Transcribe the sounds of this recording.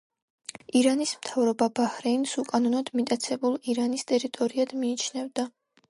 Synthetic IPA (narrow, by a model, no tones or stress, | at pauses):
iɾanismt̪ʰavɾɔbabahɾɛnsukʼanɔnɔd̪mit̪ʼat̪sʰɛbulˠiɾanist̪ʼɛɾit̪ʼɔɾiad̪̥miːt͡ʃʰnɛvd̪a